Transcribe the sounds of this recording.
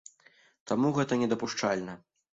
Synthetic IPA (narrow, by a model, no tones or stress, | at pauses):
t̪amuɣɛt̪ɐnʲɛd̪ɐpuʂt͡ʂalʲnɐ